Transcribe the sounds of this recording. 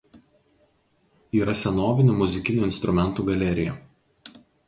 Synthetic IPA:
iːɾɐsʲɛnoːʋʲɪnʲumʊzʲɪkʲɪnʲuːɪnst̪ɾʊmʲɛnˑt̪uːɡɐlʲɛɾʲɪjɛ

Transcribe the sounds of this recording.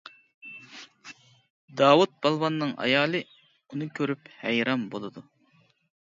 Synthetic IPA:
d̪ɑːwut̪̚b̥ɑlˠvɑnːɨŋɑ̰jɑːlˠɨ | unɨkʲʰøɾyphæjɾɑmbolˠɨd̪u

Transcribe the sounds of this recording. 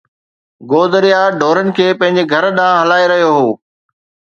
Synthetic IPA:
ɡoːd̪əɾijaɖʱoːɾənɪ̆kʰeːpɐ̃ɦɪ̃ɲ̆d͡ʑeɡʱɐɾɗãːɦɐlaːeɾɐɦijoɦoː

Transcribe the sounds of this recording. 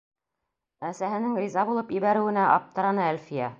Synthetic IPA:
æsæɦɘ̆nɘŋrʲizɑbulˠɤpibæɾɘ̆wɘ̆næʔɑ̰p̚t̪ɤ̆ɾɑnɤælfijæ

